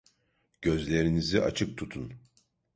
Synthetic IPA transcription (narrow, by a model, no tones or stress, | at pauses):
ɟ̥ø̞zlʲe̞ɾiniziʔa̰t͡ʃʰɯk̚t̪ʰut̪ʰun